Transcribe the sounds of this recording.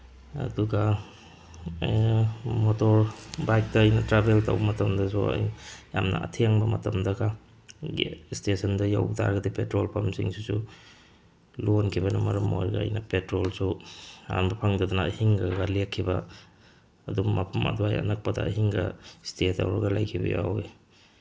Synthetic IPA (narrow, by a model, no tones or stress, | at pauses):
ɐ̰duɡɐ | motɔɾbajk̚tɐːjnɐtɾabeltɐ̰wbɐmɐtɐmdɐsuɐ̰jja̰mnɐ̰ɐ̰tʰeŋbɐmɐtɐmdɐɡa | ɡḭstesʰɐndɐja̰wta̰ɾɡɐdipetɾolpʰɐmsḭŋsusu | lonkʰibɐnɐmɐɾɐmo̰jɡɐɐ̰jnɐpetɾolsua̰nbɐpʰaŋdɐdunɐːhiŋɡaɡɐlekʰːibɐː | dummɐpʰɐmɐ̰duajɐ̰nɐk̚pɐdɐ̰ːɦiŋɡɐ̰steta̰wɾaɡɐlajkʰibɐ̰ja̰wj